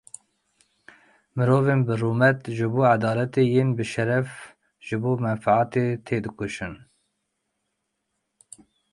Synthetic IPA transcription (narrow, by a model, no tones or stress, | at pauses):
mɨɾoːveːnbɨruːmɛt̪ʒɨboːʕad̪ɑːlɛt̪eːjeːnbɨʃɛɾɛf | ʒ̥ɨboːmɛnfaʕaːt̪eːt̪ʰeːd̪ɨkʊʃɨn